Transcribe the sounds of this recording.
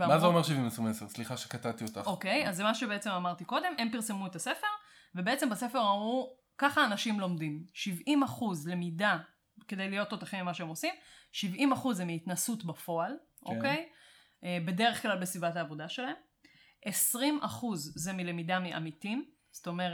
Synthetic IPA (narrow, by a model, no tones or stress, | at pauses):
vazeomeʃivimesʁimeseʁsliχaʃekat̪at̪iot̪aokejazːemaʃebeet͡se̞mamaʁt̪iko̞d̪e̞me̞mpiʁse̞muetase̞fe̞ʁ | vebeet͡se̞mbase̞feʁau | kaχaːnaʃimlo̞mdimʃivimaχuzle̞mida | kedejlijo̞tːot̪aχimimaʃeemo̞simʃivimaχuzːemiːt̪nasutbafo̞al | ʔoke̞j | ʔebe̞de̞ʁeχklalbesibataːvo̞daʃe̞laem | ʔesʁimʔaχuzzemile̞midamiʔa̰mitim | st̪o̞me̞ʁe